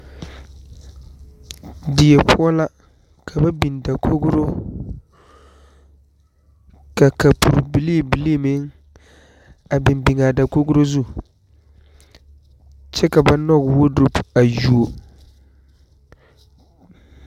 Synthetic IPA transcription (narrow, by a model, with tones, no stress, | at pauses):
dɪ˨jɛ˨pʰu˦ɔ˦la˦ | kʰa˨ba˦bi˨nda˨kʰo˦ɡɾo˦ | ka˨ka˨pu˨ɾbi˨li˦˨bi˨li˦˨mɪ˦ŋ | a˨bɪ˨mbi˨ŋa˨da˨ko˦ɡʊ˦ɾo˦zu˦˨ | t͡ʃɛ˦ka˨ba˦nɔ˦ɡwo˦du˦pa˨ju˨o˨